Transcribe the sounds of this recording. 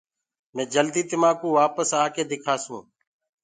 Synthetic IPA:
mɛ̃ːd͡ʒəld̪iːt̪ɪmãːkũːʋaːpəsaːkeːd̪ɪkʰaːsũː

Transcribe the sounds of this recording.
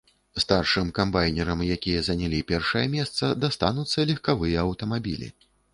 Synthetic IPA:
st̪arʂɨmkambajnʲɛɾɐmjakʲijɐzɐnʲalʲipʲɛrʂɐjɐmʲɛst̪sɐd̪ast̪anut̪sːɐlʲixkavɨjɐɐwt̪ɐmabʲḭlʲḭ

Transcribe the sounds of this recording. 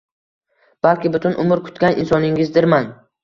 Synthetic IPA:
b̥alˠkʲɪbʊt̪ʰʊnʔʊmʊɾkʰʊ̥t̪kʲanʔɪ̰nsɒnɪŋɪzd̪ɪɾman

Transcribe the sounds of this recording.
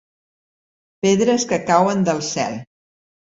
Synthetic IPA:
peðɾəskəkawənd̪əlˠsɛ̰lˠ

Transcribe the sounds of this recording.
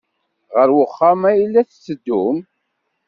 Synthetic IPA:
ʁəɾwəχːamæjilːæθt͡sːəd̪ːum

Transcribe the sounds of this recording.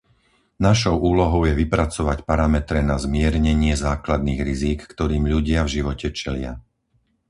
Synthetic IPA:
naʃɔʊʔuːlɔɦɔʊjɛʋipɾat͡sɔʋacpaɾamɛt̪ɾɛnazmɪɛɾɲɛɲɪɛzaːklad̪̚niːɣɾiziːkːt̪ɔɾiːmʎuɟɪavʒiʋɔcɛt͡ʃɛlɪa̰

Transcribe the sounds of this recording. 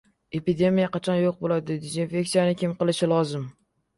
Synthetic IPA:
e̞pid̪e̞mijaqʰɑt͡ʃʰɒnjoq̚bolaɪd̪ɪd̪ezinfʲe̞ksijanɪkʲʰɪmqɨlˠɪʃɪlˠɒzɪm

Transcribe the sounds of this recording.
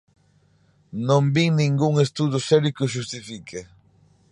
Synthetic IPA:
nõmbiŋnĩŋɡuŋest̪uðʊsɛɾikʊʃ̬ust̪ifikʰe

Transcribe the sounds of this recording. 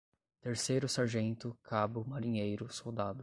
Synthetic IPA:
t̪eɾsejɾʊsaɾʒẽnt̪ʊkʰabʊmaɾĩɲejɾʊsowd̪ad̪ʊ

